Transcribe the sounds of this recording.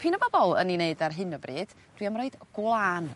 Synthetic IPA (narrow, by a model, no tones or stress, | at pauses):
pʰinəbɔbɔlˠə̰nineɨdarɦɨnəbriːd̥ | d̥wiamrɔɨd̥ɡ̥wlˠaːn